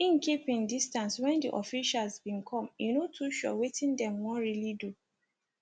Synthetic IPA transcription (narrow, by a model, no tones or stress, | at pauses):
ĩnkipĩndistãnswɛ̃ndiʔɔfiʃalzbĩnkʰɔ̃mjinotʰuʃɔ̰wetĩndɛ̃mwɔ̃nɹilidu